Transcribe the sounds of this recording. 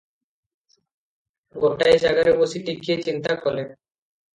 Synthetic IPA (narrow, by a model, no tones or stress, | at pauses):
ɡoʈaejd͡ʑaɡaɾebosiʈikiet͡ɕint̪akole